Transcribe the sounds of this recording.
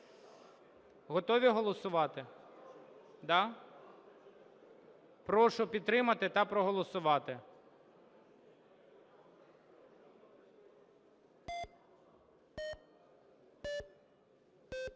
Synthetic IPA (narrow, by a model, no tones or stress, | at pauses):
ɦɔt̪ɔʋʲiɦɔlˠɔsʊʋɑt̪ɪ | d̪ɑ | pɾɔʃʊpʲid̪̚t̪ɾɪmɐt̪ɪt̪ɑpɾɔɦɔlˠɔsʊʋɑt̪ɪ